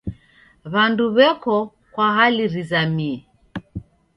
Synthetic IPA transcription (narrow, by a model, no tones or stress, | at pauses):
βanduβɛkɔ | kwaɦaliɾizamiɛ